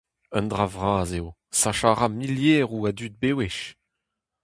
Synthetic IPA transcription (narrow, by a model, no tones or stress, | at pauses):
œnd̪ʁavʁaːzeo | saʃaʁamiljeːʁuad̪yd̪̚beːweʃ